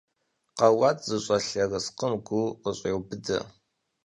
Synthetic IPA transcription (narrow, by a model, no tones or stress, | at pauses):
qɐwaːtʼzɨɕʼɐɬɐrɐsqəmɡʷuqəɕʼeːwbɨdɐ̰